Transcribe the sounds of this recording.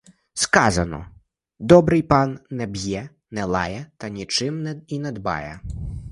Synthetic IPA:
skɑzɐnɔ̰ | d̪ɔbɾɪjpɑnːɛbʲjɛ | nɛlˠɑ̰jɛt̪ɐnʲit͡ʃɪmnɛinɛd̪bɑ̰jɛ

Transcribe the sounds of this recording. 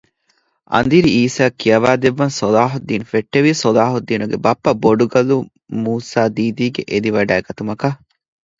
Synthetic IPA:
ʔɐ̰nd̪iɾiiːsaːkːijɐʋaːd̪eʋːɐnsolaːɦud̪ːiːnufeʈːeʋiːsolaːɦud̪ːiːnuɡebɐpːɐboɖuɡɐlu | muːsaːd̪iːd̪iːɡeʔed̪iʋɐɖæːeɡɐt̪umɐkɐ

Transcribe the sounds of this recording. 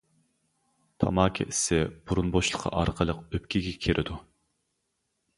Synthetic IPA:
t̪ʰɑ̰mɑːkʲʰɛ̰ʔisɪb̥uɾunboʃlˠəqʰːɑ̰ʔɑɾqʰəlˠəqøp̚kʲʰiɡʲɛkʲʰeɾʔɪd̪u

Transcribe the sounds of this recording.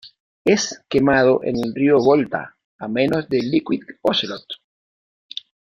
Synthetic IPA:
eskemað̞oʔḛnelrioβolt̪a̰ | amẽnozðelikwiðoselot̪

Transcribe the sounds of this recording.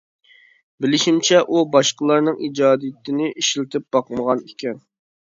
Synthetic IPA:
bɪlɪʃimt͡ʃʰɛʔubɑʃqəlˠɑɾnɨŋid͡ʒɑːd̪ijɪt̪ʰɪnɪʔiʃlɪt̪ʰɪp̚b̥ɑqməʁɑnikʲɛn

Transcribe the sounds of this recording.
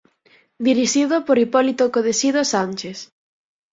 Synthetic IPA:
d̪iɾiʃiðʊpoɾipɔlit̪okoðesiðosanʲt͡ʃes

